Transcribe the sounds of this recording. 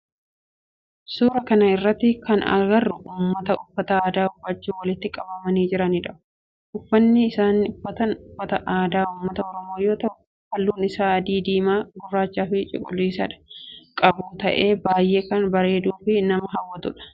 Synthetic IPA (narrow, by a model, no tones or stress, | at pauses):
suːɾɐkɐnɐɪrːɐt̪ːɪkɐnɐ̰ɡɐrːʊʔuːmːɐt̪ɐʊfːɐt̪ɐaːd̪aːʊbːɐt͡ʃːuːwɐlɪt̪ːɪkʼɐbɐmɐniːd͡ʒɪɾɐniːᶑɐʔʊ̥ | ʔʊfːɐnːɪɪsaːnːɪʊfːɐt̪ɐnʊfːɐt̪ɐʔaːd̪aːuːmːɐt̪ɐɔɾɔmo̞ːjo̞ːt̪ɐʔʊ | fɐlːuːnɪsaːɐd̪iːd̪iːmaːɡʊrːaːt͡ʃːaːfɪt͡ʃʼɪ̰kʼʊliːsɐᶑɐ̥kʼɐbuːt̪ɐʔe̞ːbaːjʔe̞ːkɐnbɐɾe̞ːd̪uːfɪnɐmɐɦɐwːɐt̪ʊᶑɐ̥